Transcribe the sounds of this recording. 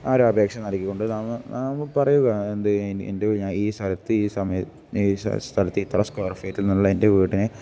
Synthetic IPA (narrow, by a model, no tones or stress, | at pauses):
aːɾuɐbe̞ːkʂɐnɐɾikʲːikːoɳɖɨnaːmːɨnaːmpɐrɐjuɣɐe̞nd̪ɨnḛndekɐɻiɲːaːliːst̪ʰɐlɐt̪ːɨiːsɐmɐjɐ | ḭːst̪ʰɐlɐt̪ːɨiːt̪ʰːɐɾɐskɐrifɐjɐtːilnːimɭːɐendeʋiːʈːinɨ